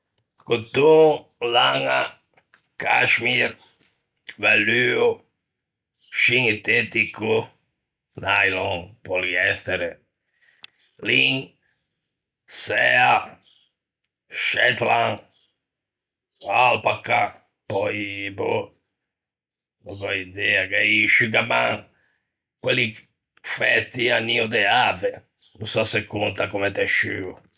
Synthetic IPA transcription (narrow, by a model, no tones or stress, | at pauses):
kut̪ulaŋa | kʰaʃmiɾ | ʋalyo | ʃiŋit̪et̪iku | najlɔŋpoliɛst̪ɛɾe | liŋ | sɛa | ʃɛt̪lan | alpakːa | pɔipu | nɔkɔid̪iakɛiʃykamaŋ | kwelːi | fɛt̪ːianːiud̪ɛave | nusasekːunt̪akumɛt̪ɛʃy